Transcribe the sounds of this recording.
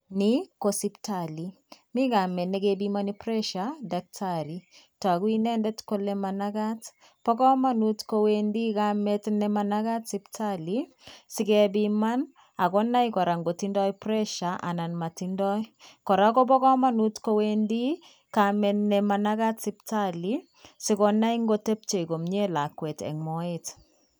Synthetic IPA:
nikosiptali | mikamɛnɛkebimanipɾɛʃadak̚tʰaɾitwakwinɛndɛtkolɛmanaɡat | pɔkɔmanutkowendikamɛtnɛmanakatsiptʰali | sikɛbiman | akɔnajkɔɾaŋɡotindɔjpɾɛʃaʔa̰nanmatindɔjkɔɾakɔp̬ɔkɔmanutkowendi | kamɛnnɛmanakatsiptali | sikɔnaiŋɡotep̚t͡ʃeikomɲelakwɛtɛ̰ŋmɔet

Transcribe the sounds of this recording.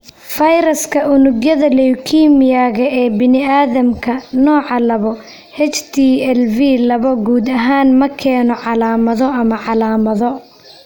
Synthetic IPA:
fɐjɾɐskʰɐʔʊnʊɣjɐðɐlɛjkʰiːmɪjaːɣɐʔɛːbɪnɪaːðɐmkʰɐnɔːʕɑlɐβɔ | hɛt͡ʃt̪ʰiːɛlviːlɐβɔɡuːd̪ɐɦaːnmɐkʰɛːnɔʕɑlaːmɐðɔɐmɐʕɑlaːmɐðɔ

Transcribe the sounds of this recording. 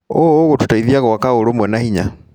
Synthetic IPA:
oɣotutaiðiaɣwakaoɾomwɛnahiɲa

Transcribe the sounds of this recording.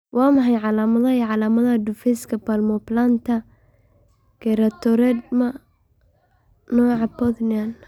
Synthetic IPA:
wɑːmɑħɑjʕɑlaːmɐðɐiʕɑlaːmɐðɐɐd̪ʊfɛskʰɐpalmɔplant̪ʰɐ | ɡ̥ɛɾɐt̪ʰɔɾɛd̪̚mɐ | nɔːʕɑpɔðnɪan

